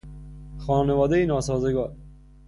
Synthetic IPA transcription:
xɒːnevɒːd̪ejenɒːsɒːzeɡɒːɾ

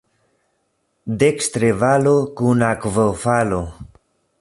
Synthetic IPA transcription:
dekst̪ɾevalokunakvofalo

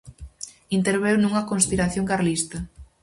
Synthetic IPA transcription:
int̪eɾβewnuŋɐkonspiɾaθjoŋkaɾlist̪ɐ

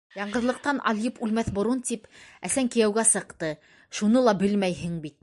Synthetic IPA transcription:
jɑɴɢɤ̆ðlˠɤ̆q̚t̪ɑnʔɑ̰lˠjɤpʉlmæθbŏɾunt̪ipæsæŋkĭjæwɡæsɤ̆qt̪ɤ | ʃunɤlˠɑbɘlmæjɦɘ̆ŋbit̪̚

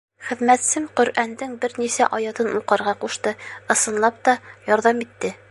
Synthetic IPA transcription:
χɘ̆ðmæt̪sɘmqɵ̆ɾʔænd̪ɘŋbɘɾnisæʔɒjɑt̪ɤnuqɑɾʁɑquʃt̪ɤɤ̆sɤ̆nlˠɑp̚t̪ɒjɒɾðɑmit̪ːɘ

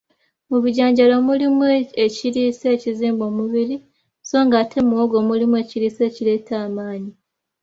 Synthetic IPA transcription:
muβiɟaːɲɟalomulimueciɾiːse̞ːciziːmbo̞ːmuβiɾi | so̞ːŋɡaːtʰe̞muwoɡo̞ːmulimwe̞ːciɾiːse̞ːcile̞ːtʰaːmaːɲi

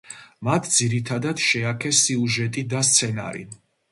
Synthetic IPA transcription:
mat̪ʰd̪ziɾit̪ʰad̪ad̪̥ʃɛakʰɛsiuʒɛt̪ʼid̪ast̪sʰɛna̰ɾḭ

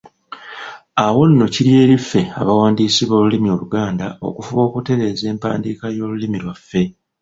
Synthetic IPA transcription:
awo̞nːo̞ciɾje̞ːɾifːe̞a̰βawaːndiːsiβo̞ːlulimio̞luɡaːndao̞̰kufuβo̞ːkute̞ɾe̞ːze̞ːmpa̰ːndiːkajo̞ːlulimilwafːe̞

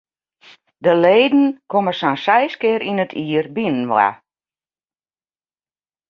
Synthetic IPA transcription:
dəleːdn̩kʰoməsansɛjskɪəɾinətʰiːərbinənʋa̰

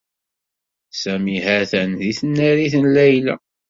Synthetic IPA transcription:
sæmihæθənðiθənːæɾiθənlæjlæ̰

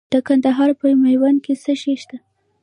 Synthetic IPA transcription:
d̪̥əkand̪aɦɑɾpəjmajwan̚kesəʃeʃt̪a

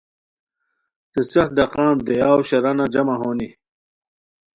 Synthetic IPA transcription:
t̪esɐxt̪̚ɖɐqãːnd̪ejaːwɕɐɾɐnad͡ʑɐmɐɦoːni

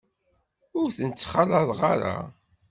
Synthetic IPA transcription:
ʊɾθənt͡sːχɑlɑðˤʁaɾa̰

